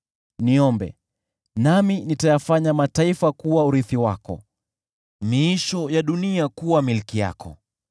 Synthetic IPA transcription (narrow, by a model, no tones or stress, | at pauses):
niɔmbɛ̰ | naminitajafaɲamataifakuwauɾiθiwakɔ̰ | miiʃɔjaɗuniakuwamilkija̰kɔ̰